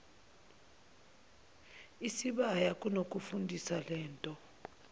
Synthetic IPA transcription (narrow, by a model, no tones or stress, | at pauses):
isiɓajakʼunokʼufundʱisalɛːntʼɔ